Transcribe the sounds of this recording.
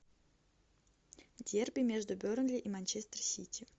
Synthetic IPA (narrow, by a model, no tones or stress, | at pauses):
dʲerbʲɪmʲeʐd̪ʊbʲoɾnɡlʲɪʔimanʲt͡ɕest̪ərsʲitʲɪ